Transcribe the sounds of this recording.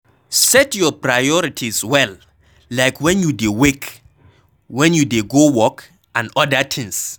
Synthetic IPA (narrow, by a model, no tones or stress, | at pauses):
sɛtjɔpɹajɔɹitʰiswɛl | lajkʰwɛ̃njudewek | wɛ̃njudeɡowɔk | ãnɔdatʰɪ̃ŋs